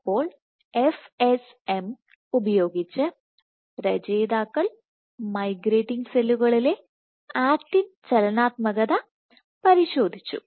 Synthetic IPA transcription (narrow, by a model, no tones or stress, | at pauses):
pːo̞ːɭ | efes | em | ubɐjo̞ːɡit͡ɕːɨ | pɾɐd͡ʑe̞ːd̪aːkːɐɭ | mɐjɡɾe̞ːʈːiŋseluɣɐɭile̞ | aːk̚ʈːint͡ɕɐlɐnaːt̪mɐɣɐðɐ | pɐɾiɕo̞ːd̪ʱit͡ɕːṵ